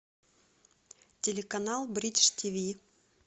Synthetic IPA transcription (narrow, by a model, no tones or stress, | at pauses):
tʲelʲɪkɐnalˠbɾʲiʂtʲivʲi